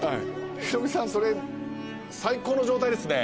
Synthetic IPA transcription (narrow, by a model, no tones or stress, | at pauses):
haḭçi̥t̪obʲisãɰ̃so̞ɾe̞ | saiko̞ːno̞ʑo̞ːt̪aid̪e̞sɨne